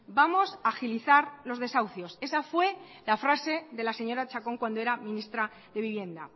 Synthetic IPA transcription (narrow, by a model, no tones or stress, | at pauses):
bamo̞saːxiliθaɾlo̞zðe̞sawθjo̞se̞safwe̞ | lafɾase̞ðe̞lase̞ɲo̞ɾat͡ʃako̞ŋkwand̪oe̞ɾamĩnist̪ɾa | ðe̞βiβje̞nd̪a